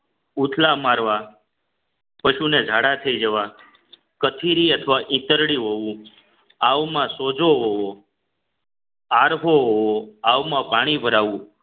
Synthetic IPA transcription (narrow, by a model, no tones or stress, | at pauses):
ut̪ʰlamaɾʋa | pəʃuned͡ʒʱaɽat̪ʰəid͡ʒəʋa | kət̪ʰiɾiət̪ʰəʋaʔĩt̪əɾɽiɦoʋũ | aʋmãsod͡ʒoɦoʋo | aɾɦoɦoʋoaʋmãpaɽ̃ibʱəɾaʋũ